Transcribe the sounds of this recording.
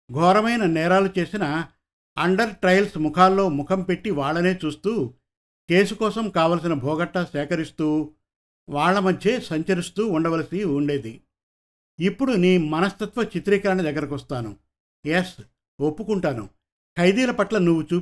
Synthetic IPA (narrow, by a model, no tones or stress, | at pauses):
ɡʱɔːɾɐmɐjnɐnɛːɾaːlut͡ʃe̞ːsinɐː | ɳɖɐɾʈɾɐjlsmukʰaːlːo̞ːmukʰɐmpe̞ʈːiʋaːɭːɐne̞ːt͡ʃuːst̪uː | ke̞ːsukɔːsɐmkaːʋɐːlɐs̬inɐbʱɔːɡɐʈːɐʃɛːkɐɾist̪uː | ʋaːɭːɐmɐd̪ʱje̞ːsɐɲt͡ʃɐɾist̪uːuɳɖɐʋɐlɐsiuɳɖe̞ːd̪i | ipːuɽuniːmɐnɐst̪ɐt̪ʋɐt͡ʃit̪ɾiːkɐɾɐɳid̪ɐɡːɐɾɐkʋɐst̪aːnṵ | jes | opːukuɳʈaːnṵ | kʰɐjd̪iːlɐpɐʈlɐnuʋːut͡ʃuː